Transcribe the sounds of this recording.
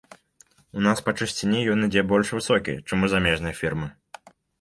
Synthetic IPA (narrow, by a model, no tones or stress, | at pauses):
unaspɐt͡ʂɨsʲt͡sʲinʲijɔnid͡zʲɛbɔlʲʂvɨsɔkʲḭjt͡ʂɛmuzamʲɛʐnɐjɐfʲirmɨ